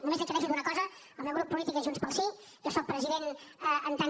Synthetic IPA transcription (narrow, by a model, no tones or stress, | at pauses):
numezə̃k̪əðɛʃ̬ud̪unəkɔzəəlˠmɛwɣɾupːulit̪ikəʒunspəlˠsi | ʒɔsɔk̚pɾəziðenəənt̪a